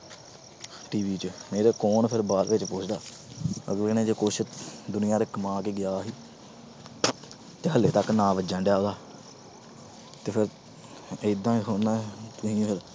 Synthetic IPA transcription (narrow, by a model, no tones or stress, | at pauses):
ʈiːʋiːt͡ʃmeːɾeːkoːnpʰɪɾbaːlʋɪt͡ʃpʊːt͡ʃʰd̪aː | ə̰ɡleːnẽːd͡ʒeːkʊʃd̪ʊnɪjãːɾekmãːkeːɡɪjaːɦiː | t̪eːɦəleːt̪əknãːʋəd͡ʒãːɳɖjaːɦoːd̪aː | t̪eːpʰɪɾ | ɪd̪ãːsoːaːt̪ʊɦĩːpʰɪɾ